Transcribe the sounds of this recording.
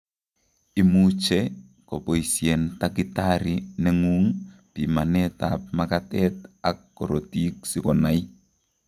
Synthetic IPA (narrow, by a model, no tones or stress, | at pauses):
imut͡ʃɛ | kɔpoisiɛntakitaɾinɛŋuŋpimanɛta̰p̚makatɛtakːɔɾotik̚sikɔnai